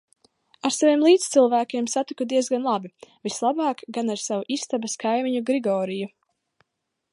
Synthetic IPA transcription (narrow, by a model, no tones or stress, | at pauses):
aɾsavieɛmlˠiːt̪st̪silˠvæːkʲeɛmsat̪ikud̪iɛzɡanlˠabivislˠabɑːkɡanaɾsavuʔist̪abɐskajmiɲuɡɾiɡɔːɾiju